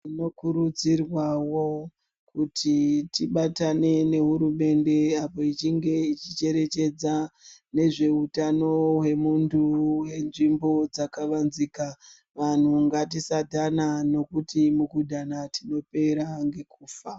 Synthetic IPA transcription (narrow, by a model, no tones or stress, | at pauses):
ino̞kuɾud͡zirwawo | kutʰitiɓatane̞ne̞ɦuɾume̞nde̞apo̞it͡ʃiŋɡe̞it͡ʃit͡ʃe̞ɾe̞t͡ʃe̞d͡zane̞ʐe̞utano̞we̞muntʰuwe̞nʐimbo̞d͡zakaʋanzika | ʋan̤uŋɡat̬isadʱanano̞kutimukudʱanatʰino̞pe̞ɾaŋɡe̞kuːfa